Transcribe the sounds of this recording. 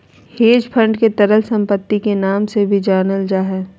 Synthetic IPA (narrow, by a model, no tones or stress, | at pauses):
heːd͡ʒpʰə̃ɳɖket̪ɐɾəlsɐ̃mpət̪ːikenaːmsebʱid͡ʒaːnəld͡ʒaːɦɛː